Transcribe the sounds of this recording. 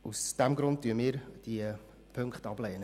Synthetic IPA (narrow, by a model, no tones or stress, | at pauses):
usd̥æmɡɾʊnt̚tːyəmɪːɾd̥iə | pʰɵŋkχtɑblɛːnə